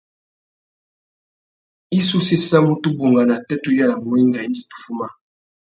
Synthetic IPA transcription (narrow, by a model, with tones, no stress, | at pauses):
i˦su˦se˦sa˦mu˦tu˦bu˨ŋɡa˨na˨tɛ˦tu˦ja˦la˨mo˦i˦ŋɡa˨i˦ndi˨tu̥˨fu˦ma˦